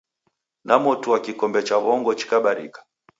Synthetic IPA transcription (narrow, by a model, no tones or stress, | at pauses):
nʔamɔtuwakikɔmbɛt͡ʃaβɔŋɡɔt͡ʃi̥kaɓaɾḭkḁ